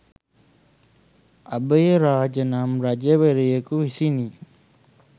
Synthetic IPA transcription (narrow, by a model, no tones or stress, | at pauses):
abəjəɾaːd͡ʒənamɾad͡ʒəʋeɾijəkuisini